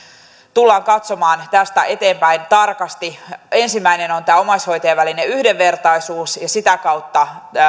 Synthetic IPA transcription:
t̪ulːɑːŋkɑt̪so̞mɑːnt̪æst̪æʔe̞t̪e̞ːmpæint̪ɑrkɑst̪ie̞nsimːæineno̞nt̪æːo̞mɑsho̞jt̪eːʋælineyhde̞ʋːe̞rt̪ɑjsuːsjɑsit̪ækɑwt̪ːɑ

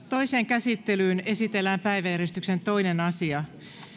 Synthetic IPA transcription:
t̪o̞ise̞ːŋkæsit̪ːe̞lyːne̞sit̪e̞lːæːmpæjʋæjæɾest̪ykse̞nt̪o̞inenɑsiɑ

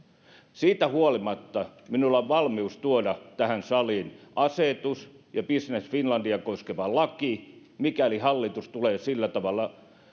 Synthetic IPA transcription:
siːt̪æhuolimɑt̪ːɑminulːɑʋʋɑlmiust̪uodɑt̪æhænsɑliːnʔɑset̪us | jɑpisnesfinlɑndiɑkoskeʋɑlɑki | mikælihɑlːit̪ust̪uleːsilːæt̪ɑʋɑlːˑɑ

